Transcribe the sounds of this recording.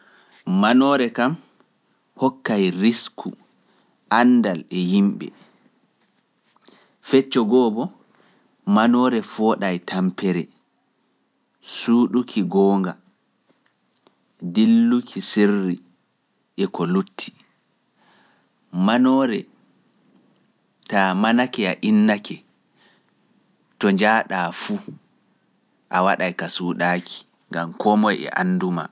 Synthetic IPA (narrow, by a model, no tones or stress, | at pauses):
manɔɾɛkam | hɔkːajɾiskʰu | ʔandalɛjimɓɛ̰ | fɛt͡ʃːɔɡɔːbɔ | manɔːɾɛfɔːɗajtʰampɛɾɛ | suːɗukʰiɡɔːŋɡa | dilːukʰisirːi | ʔɛkɔlutʰːi̥ | manɔːɾɛ | tamanakɛaʔinːakɛ | tɔɲd͡ʒaːɗaːfu | ʔawaɗajkasuːɗaːkʰi̥ | ŋɡamkɔmɔjɛ̰ʔa̰nːduma̰